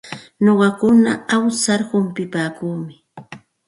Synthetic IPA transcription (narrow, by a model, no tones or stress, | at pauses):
noɢɑkʊnaawsaɾhʊmpɪpaːkuːmɪ